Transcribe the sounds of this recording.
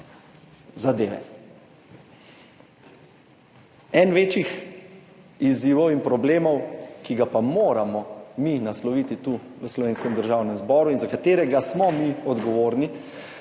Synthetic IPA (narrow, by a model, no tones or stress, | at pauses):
zad̪eːʋɛ̰ | ɛnʋeːt͡ʃix | iziːʋɔwinpɾɔbleːmɔwkiɡapamoːɾamɔminaslɔʋit̪it̪u | ʋəslɔʋeːnskɛmd̪əɾʒaːwnɛmzbɔːɾuinzakat̪eːɾɛɡasmɔmiɔd̪ɡɔʋoːɾni